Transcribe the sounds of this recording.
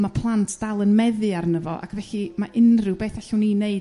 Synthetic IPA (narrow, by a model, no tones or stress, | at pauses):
mapʰlˠantʰd̥alˠənmɛðɨarnəvɔ̰ʔa̰kʰvɛɬimaʔɪnrɨwbeːθɛɬuwnineɨ